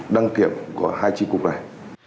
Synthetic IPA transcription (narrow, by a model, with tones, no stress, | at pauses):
ɗa˧˦ŋki˨˩˨əm̚kṵ˧˩əhaː˧jt͡ɕi˦ku˧pa˧˨